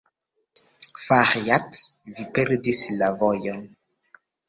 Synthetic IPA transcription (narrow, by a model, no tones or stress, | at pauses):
faχjatvipɛɾdislavɔjɔn